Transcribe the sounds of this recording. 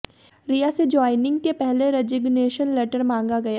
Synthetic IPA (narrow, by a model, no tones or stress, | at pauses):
ɾijased͡ʒɔːɪnɪ̃ŋɡ̚kepɛɦleɾed͡ʒɪɡneːʃənleːʈəɾmãːŋɡaɡɐja